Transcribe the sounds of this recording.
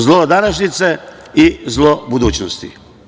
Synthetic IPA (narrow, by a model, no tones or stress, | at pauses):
zlˠod̪aɾaʒnit̪se | izlˠobud̪uːt͡ʃnost̪ḭ